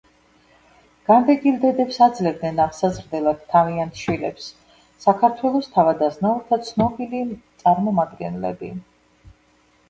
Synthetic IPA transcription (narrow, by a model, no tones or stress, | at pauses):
ɡ̥and̪ɛɡild̪ɛd̪ɛpsad̪zlɛvd̪nɛnaʁsazɾd̪ɛlˠad̪̥̚tʰːaviant̪ʰʃwilɛps | sakʰaɾt̪ʰwɛlˠɔst̪ʰavad̪aznauɾt̪ʰat̪sʰnɔbilit̪sʼaɾmɔmad̪ɡɛnlɛ̰bi